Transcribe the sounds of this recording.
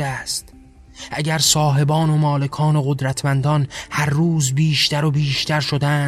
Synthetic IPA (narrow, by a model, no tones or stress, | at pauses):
æst̪ | ʔæɟæɾsɒːɦe̞bɒːnomɒːle̞kʰɒːnoɣod̪ɾæt̪ʰmænd̪ɒnhæɾːuːzbiːʃt̪æɾobiːʃt̪ʰæɾʃod̪æːn